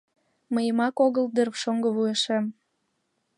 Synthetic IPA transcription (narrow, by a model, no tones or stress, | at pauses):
məjəmɑkoɣəld̪erβʃoŋɡəβujeʃem